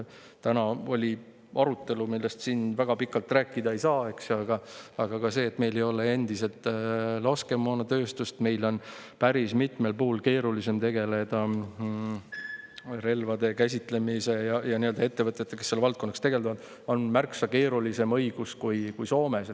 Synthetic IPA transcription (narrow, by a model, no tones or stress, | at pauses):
t̪ænɑo̞lʲi | ɑɾut̪ːˑe̞lumilːest̪siːnvæɡ̥ɑpikːˑɑlt̪ːˑræːkːˑid̪ɑe̞jsɑːe̞ksjoɑɡ̥ɑɑɡ̥ɑkɑse̞ːt̪ːˑme̞jle̞jo̞le̞e̞nd̪̥ise̞lt̪ˑlɑske̞mːoːnɑt̪ø̞ːst̪ust̪me̞jlo̞npæɾismit̪ˑme̞lpuːlke̞ːɾulise̞mt̪e̞ɡ̥e̞le̞d̪̥ɑ | ɾe̞lvɑd̪e̞kæsʲit̪le̞mise̞jɑjɑniø̞ld̪ɑet̪ːe̞vɤt̪ːjet̪ːˑeke̞se̞lvɑlt̪̚ko̞nːɑkst̪e̞ɡ̥e̞ld̪ɑvɑd̪̥ | o̞nmærksɑke̞ːɾulise̞mɤ̞jɡ̥uskujkujso̞ːme̞s